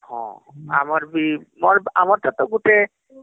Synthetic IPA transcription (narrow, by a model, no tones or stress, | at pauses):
hɔ̰̃a̰maɾbimɔɾamaɾt̪at̪oɡuʈe